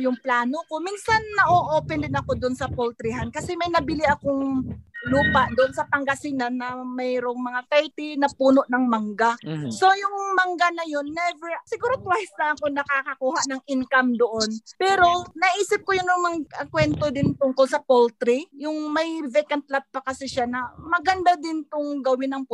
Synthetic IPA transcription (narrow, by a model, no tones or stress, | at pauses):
jʊŋplaːnoko̞minsɐnːɐʔoʔoːpɛnd̪ɪnɐko̞d̪oʊonsɐpolt̪ɾɪɦankɐsɛmɐjnɐbɪlɪʔɐkoŋluːpaʔd̪oʔonsɐpɐŋɡɐsɪnanɐmɛɾo̞ŋmɐŋat̪ɛɹt̪ɪnɐpuːno̞ʔnɐŋmɐŋɡaso̞jʊŋmɐŋɡanɐjo̞nːɛvɛɹsɪɡuːɾot̪wajsnɐʔɐko̞nɐkakɐkuːhaʔnɐŋʔɪŋkamd̪oʔonpɛːɾo̞nɐʔiːsɪp̚kojʊnːʊŋmɐŋɐkwɛnt̪o̞d̪ɪnt̪ʊŋkolsɐpolt̪ɾijʊŋmɐjvɛkɐnt̪̚lat̪̚pɐkɐsɪʃanɐmɐɡɐnd̪ad̪ɪnt̪ʊŋɡɐwɪnɐŋp